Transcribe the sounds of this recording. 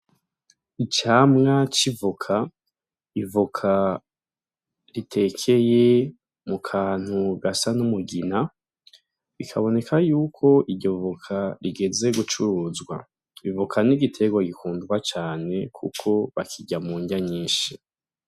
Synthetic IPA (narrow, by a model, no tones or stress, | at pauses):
it͡ʃaːmŋat͡ʃivukʰa | ivukʰa | ɾitʰe̞kʰe̞je̞ | mukʰaːn̥huɡasanumuɡina | βikʰaβo̞ne̞kʰajuːkʰo̞ʔiɾɟo̞vukʰaɾiɡe̞ze̞ɡut͡ʃuɾuːzɡwa̰ | βivukʰaniɡitʰe̞ɡwaɡikuːndɡwat͡ʃaːne̞kʰṵkʰo̞βakʰiɟamuːɲɟaɲiːnʃi